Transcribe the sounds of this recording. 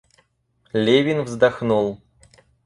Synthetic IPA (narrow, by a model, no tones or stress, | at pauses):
lʲevʲɪnvzd̪ɐxnulˠ